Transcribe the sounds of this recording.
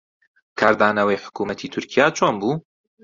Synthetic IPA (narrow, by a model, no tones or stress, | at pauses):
kʰaːɾd̪aːnɐwejħʊ̥kuːmɐt̪ʰiːt̪ʰʊɾkʰijaːt͡ʃʰoːnbuː